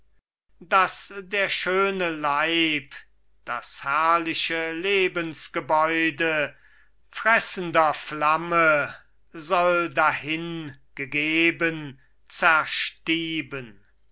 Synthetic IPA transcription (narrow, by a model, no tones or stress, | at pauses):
d̥asdeːɐʃøːnəlaɪp | d̥a̰shæɐlɪʃəleːbənsɡ̥əbɔʏdə | fʁɛsən̩dɐflamə | zɔldahɪnɡ̥əɡeːbən | t͡sɛɐʃtiːbən